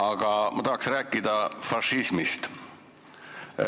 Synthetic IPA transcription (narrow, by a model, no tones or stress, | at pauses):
ɑɡ̥ɑmɑt̪ɑɦɑksræːkːid̪ɑfɑʃismist̪